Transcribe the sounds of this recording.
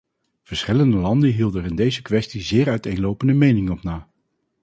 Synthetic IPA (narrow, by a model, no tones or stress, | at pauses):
v̥əɹsχɪləndəlɑndəɦilˠdəɛɹɪndejzəkʋɛstizɪːɹœɥtejnlowpəndəmejnɪŋənɔpnaː